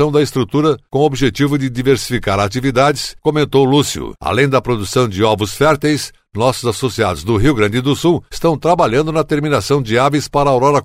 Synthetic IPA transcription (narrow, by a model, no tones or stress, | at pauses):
ɐ̃w̃d̪ɐɪst̪ɾut̪uɾɐkõobiʒet͡ʃivʊd͡ʒɪd͡ʒiveɾsi̥fikaɾat͡ʃivid̪ad͡ʒɪskomẽnt̪owlusiʊ̰a̰lẽj̃d̪ɐpɾod̪usɐ̃w̃d͡ʒɪɔvɾʊsfɛɾt̪ejs | nɔsʊzasosiad̪ʊzd̪ʊɦiwɡɾɐ̃d͡ʒɪd̪ʊsuwɪ̥st̪ɐ̃w̃t̪ɾabaʎɐ̃nd̪ʊnɐt̪eɾminasɐ̃w̃d͡ʒɪavispaɾɐːwɾɔɾɐ